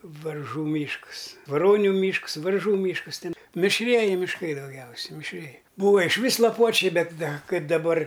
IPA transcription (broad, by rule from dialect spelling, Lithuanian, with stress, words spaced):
ʋɐrˈʒuː ˈmʲiːʃks ʋɐˈroːnʲʊ ˈmʲiːʃks ˈʋɐrˈʒuː ˈmʲiːʃkɐs ˈtʲɛn mʲɪʃʲˈrʲiɛjɪ mʲɪʃˈkɐɪ dɐʊˈɡʲɛʊsʲɛ mʲɪʃʲˈrʲiɛjɪ ˈbuːʋɐ ɪʃʲˈʋʲiːs lˠɐˈpuɔt͡ʃʲɛɪ ˈbʲɛt ˈdɐ ˈkɐɪp dɐˈbɐr